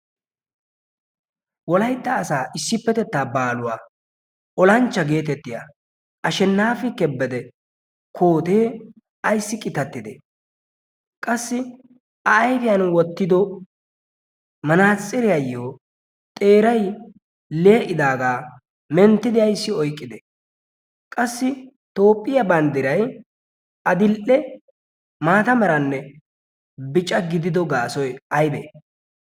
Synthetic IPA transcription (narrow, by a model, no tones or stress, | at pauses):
wɔlɐjt̪ːɐːsaːʔɪsːɪpːɛt̪ɛt̪ːaːbaːlʊwaː | ʔɔlɐnt͡ʃːɐɡe̞ːt̪ɛt̪ːɪja̰ | ʔɐʃɛnːaːfɪkɛbːɛd̪ɛ | kʰoːt̪eː | ɐjsːɪkʼɪt̪ɐt̪ːɪd̪ɛ̰ | kʼɐsːɪ | ɐːjfɪjɐnwɔt̪ːɪd̪ɔ | mɐnaːt͡sʼːɪɾɪjɐjːoː | t̪ʼe̞ːɾɐj | leːʔɪd̪aːɡaː | mɛnt̪ːɪd̪ɪjɐjsːɪɔjkʼːɪd̪ɛ | kʼɐsːɪ | t̪o̞ːpʼːɪjɐbɐnd̪ɪɾɐj | ɐd̪ɪlʔɛ | maːt̪ɐmɛɾɐnːɛ | bɪt͡ʃʼɐɡɪd̪ɪd̪ɔɡaːsɔjɐjbɛ̰